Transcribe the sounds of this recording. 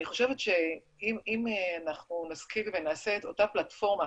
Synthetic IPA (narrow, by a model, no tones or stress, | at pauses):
niχo̞ʃe̞vetʃe̞ | imimeanaχnunaskilvenaːse̞ːto̞taplatfo̞ʁma